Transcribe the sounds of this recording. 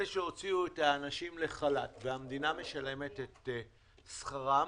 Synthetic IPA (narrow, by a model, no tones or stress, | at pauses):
eʃeo̞t͡siuethaːnaʃimle̞χalatveamd̪iname̞ʃale̞me̞t̪et̪ | sχaʁa